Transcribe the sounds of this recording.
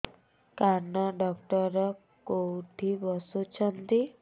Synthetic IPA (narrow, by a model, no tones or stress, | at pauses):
kanəɖɔkʈɔɾɔ | kowʈʰibɔsut͡ɕʰənt̪i